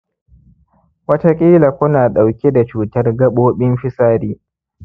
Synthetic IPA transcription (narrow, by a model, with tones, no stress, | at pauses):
wɐ˦ta˦kʲʼiː˦la˨kʷʊ˦naː˨ɗa˨wkʲi˦da˨t͡ʃuː˦˨tɐ˦rɡɐ˦ɓoː˦ɓɪ˦mɸɪ˦saː˦ɾiː˦